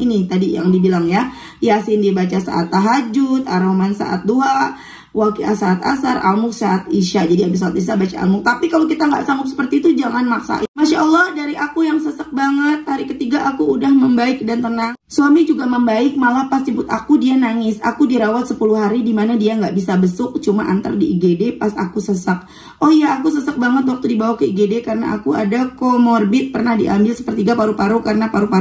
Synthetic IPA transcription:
init̪adija̰ŋdibilaŋja | jasndiabat͡ʃasa̰ʔa̰t̪ːaɦad͡ʒut̪aɾomansa̰ʔa̰t̪̚doɦa | wakiasaːt̪a̰sarʔa̰lmʊk̚saʔat̪̚iʃad͡ʒadiabis̬aat̪is̬abat͡ʃa̰ʔa̰mʊk̚t̪apikalowkit̪aŋɡaʔsaŋʊp̚sə̥pərt̪iːt̪ud͡ʒaŋanmaksa̰ʔimaʃaʔɔlːɑhdaɾiʔakujaŋsəsək̚baŋət̪̚haɾikət̪iɡaʔakuːdahməmbaɪk̚dant̪ənaŋswamid͡ʒuɡaməmbaɪk̚malapast͡ʃəpʊt̪akudianaŋɪsa̰kudiɾawat̪̚səpuluɦaɾidimanadiaŋɡaʔbisabəsʊk̚t͡ʃumaʔa̰nt̪a̰rdiʔːɡedepasa̰kusəsak̚ | ɔhjaːkusəsak̚baŋət̪̬̚wak̚t̪udibawahkəiɡedekaɾəna̰ʔakuadakomɔrbɪt̪̚pərnahdiʔambɪlsə̥pərt̪iɡapaɾupaɾukaɾənapaɾupaɾu

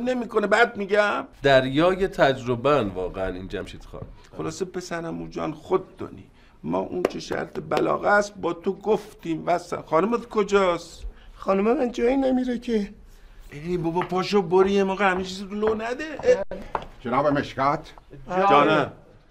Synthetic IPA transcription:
ne̞miːkonebæd̪̚miɟæmd̪̥æɾjɒːjet̪ʰæd͡ʒɾobænvɒːɣeænḭnd͡ʒæmʃit̪xɑ̰ːnxolɒːsepʰesæɾæmuːd͡ʒɒ̰ːnxod̪̚ːɒ̰nḭ | mɒ̰ːʔunt͡ʃʰeʃæ̰ɾt̪ʰebælɒ̰ːɣæst̪̚bɒːt̪ʰoɡoft̪iːmvæsæ̰mxɒːnumet̪kʰod͡ʒɒːsxɒːnumemænd͡ʒɒːinemiɾecʰe | ebobɒpʰɒːʃoboɾiemɒːɣehæmet͡ʃʰizid̪olonæd̪eʔed͡ʒenɒːbemeʃkæt̪ʰd͡ʒɒːnæ

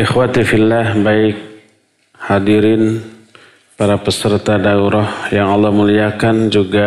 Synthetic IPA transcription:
ʔɪxwat̪ifilːahbaɪk̚ | hadiɾɪn | paɾapəsərt̪adauɾɔhjaŋɑlːɑhmuliakand͡ʒuɡa

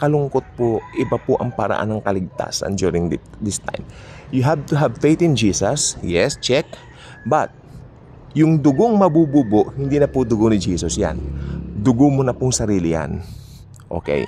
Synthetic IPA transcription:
kɐlʊŋkot̪̚poʔɪbɐpʊʔɐŋpɐɾɐ̰ʔa̰nɐŋkɐlɪɡ̚t̪a̰sɐ̰nd̪juɾɪŋɪd̪ɪst̪a̰jm | jʊɦab̚t̪ʊɦavfejt̪ɪ̃nd͡ʒiːsɐsjɛst͡ʃɛk̚ | bɐt̪̚ | jʊŋd̪ʊɡoŋmɐbuːbuːboʔhɪnd̪inɐpʊd̪ʊɡonɪd͡ʒiːsosja̰nd̪ʊɡomonɐpʊŋsɐɾiːlɪja̰n | ʔo̞̰kɛ̰j

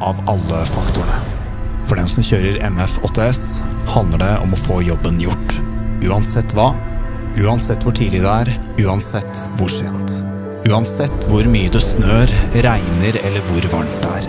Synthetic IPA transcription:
ʔɑʋʔɑlːəfɑkt̪ʊɳə | fɔɖɛnsɔmçøːɾəɾɛ̰mɛfɔt̪ʰːeːɛs | hɑnd̪əɖɛʔɔ̰mɔfoːjɔbːənjʊʈːʉːɑnsɛt̪ːʋɑː | ʉːɑnsɛt̪ːʋʊʈʰiːlɪd̪ɛæːɾ | ʉːɑnsɛt̪ː | ʋʊʂḛːnt̪ | ʉːɑnsɛt̪ːʋʊɾmyːəd̪ɛsnøːɾɾæɪnəɾɛlːəɾʋʊɾʋɑɳʈd̪æ̰ːɾ

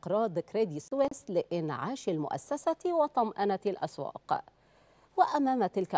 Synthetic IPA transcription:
qɾˤɑːd̪kɾed̪isweslɪʔɪnʕaːʃalmʊ̰ʔa̰sːasawɑt̪ˤɑmʔanalʔa̰swɑ̰ːq | wɪʔamaːmt̪ɪlka

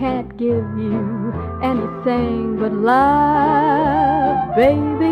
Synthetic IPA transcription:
æ̃nɡ̥ɪvjʉ | ʔɛniθɪ̃ɪɪ̃ŋbʌtˡlʌ | vbeɪbi

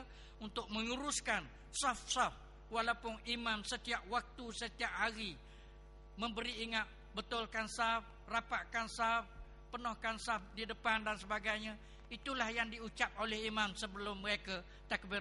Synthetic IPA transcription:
unt̪ʊk̚mə̃ŋuɾʊskan | safsaf | walawpʊnimãmsət̪iap̚wak̚t̪usət̪iaʔ̚haɣi | mə̃mbəɾiːŋat̪̚ | bət̪ʊlkansaf | rapaʔkansaf | pənɔhkansafdidəpandansəbaɡajɲa | it̪ulahjaŋdiut͡ʃap̚olɛhimamsəbəlʊmːəɾekə | t̪ak̚bi

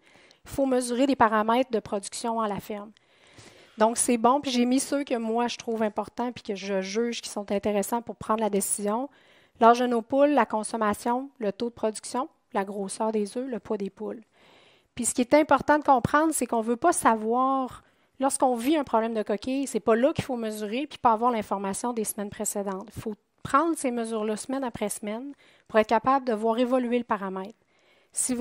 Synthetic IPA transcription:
ifoməzyːʁed̪epaʁamɛɪt̪χd̪əpχɔd͡zyksjɔ̃ɑ̃lafɪʁm | d̪ɔ̃ksɛbɔ̃piʒemisøkʲəmwaʒət̪χuːvɛ̃pɔʁt̪ɑ̃pi̥kʲəʒəʒyːʒ̥kʲi̥sɔ̃t̪ɛ̃t̪eʁesɑ̃pʊʁpχɑ̃d̪ʁlad̪esizjɔ̃ | laʁʒənoːpʊlːakɔ̃sɔmasjɔ̃lət̪od̪əpχɔd͡zyksjɔ̃ | laɡʁosœːʁd̪ezøləpwɔd̪epʊl | pɥisə̥kʲiɛt̪ɛ̃pɔʁt̪ɑ̃d̪əkɔ̃pχɑ̃d̪ʁsɛkɔ̃vøpʌsavwɑːʁ | lɔʁskɔ̃viɛ̃pχɔblɛ̃md̪əkɔkʲʰesɛpʌlʌkʲi̥foməzyːʁepi̥pʌːvwaːʁlɛ̃fɔʁmasjɔ̃d̪esmɛnpχesed̪ɑ̃t̪i̥fo | pχɑ̃ːd̪ʁseməzyːʁlʌsmɛnapχɛsmɛn | puʁɛːt̪̚kʲapabld̪əvwɑːʁevɔlyeləpaʁamɛɪt̪χ | si

